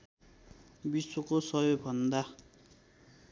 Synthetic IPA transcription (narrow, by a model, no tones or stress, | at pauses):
biswokosʌjoɡ̚bʱʌnd̪a